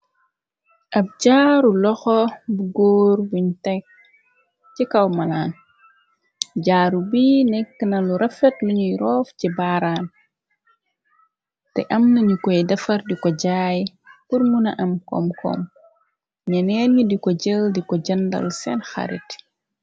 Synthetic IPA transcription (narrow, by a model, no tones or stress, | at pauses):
ʔɐp̚ɟaːɾulɔxɔbuɡoːɾbuɲtɛk̚ | cikɐwmɐlaːn | ɟaːɾubiːnɛkːənɐluɾʔɐfɛtluɲujɾɔːfcibaːɾaːn | tɛ̰ʔɐmnɐɲukɔjdɐfɐrdikɔɟaːj | puɾmunɐʔɐmkɔ̰mkʰɔ̰m | ɲɛnɛːnɲudikɔɟəldikɔɟɐndɐ̰lsɛnxɐ̰ɾḭt